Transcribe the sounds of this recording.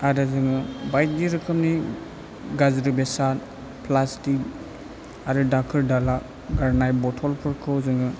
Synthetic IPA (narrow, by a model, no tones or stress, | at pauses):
aɾazɯŋɯbajt̚diɾɯkʰɯmni | ɡazɾɯbesan | pʰlastik̚ | aɾɯdak̚ʰɯɾdala | ɡaɾnajbɔtʰɔlpʰɯɾkʰɯwzɯŋɯ